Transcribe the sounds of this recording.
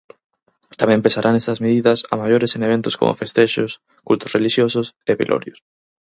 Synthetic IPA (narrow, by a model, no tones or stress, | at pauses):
t̪amɛ̃mpesaɾʔanest̪ɐzmeðiðɐsa̰maʝoɾeseŋeβent̪ʊsko̰mo̰fest̪eʃʊs | kult̪ʊsreliʃjosʊsepḭlʔo̰ɾjʊs